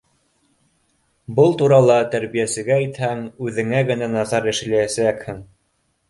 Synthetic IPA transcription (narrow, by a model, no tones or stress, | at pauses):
bɤlˠt̪uɾɑlˠɑt̪æɾβijæsɘ̆ɡæit̪hæŋʉðɘ̆ŋæɡɘ̆nænɑθɑɾɘ̆ʃɘ̆læjæskhɘŋ